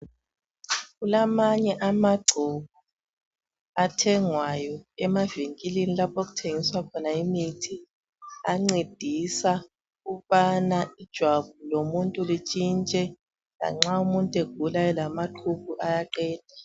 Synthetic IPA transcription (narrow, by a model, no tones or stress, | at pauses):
ɣulamaɲɛʔamaɡ͡ǀʱɔβ̥ʱu | atʰɛŋwajɔɛmaviŋkʼilinilapʰok̬u̥tʰeŋiswakʰɔnaimitʰi | aŋ͡ǀed̥ʱisa | ɣuβanaid̥ʒ̥ʱwaβulomuntʼulit͡ʃʼint͡ʃʼɛ | la̰ŋ͡ǁaumuntʼeɡ̥̚ʱulaɛlamaǃʰukuʔajaǃɛːd̥ʱa